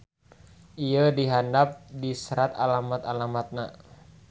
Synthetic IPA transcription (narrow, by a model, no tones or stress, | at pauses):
ʔiədiɦandap̚disəɾat̪a̰lamat̪alamat̪̚na